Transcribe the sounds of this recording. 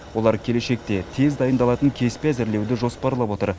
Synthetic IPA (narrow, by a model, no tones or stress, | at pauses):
wo̞lˠɑɾkʲʰe̞le̞ʃe̞k̚t̪e̞t̪ʰe̞zd̪ɑjənd̪ɑlˠɑt̪əŋkʲʰe̞speæzɪɾle̞wd̪ɪʒo̞spɑɾlˠɑpwo̞t̪ə̰ɾ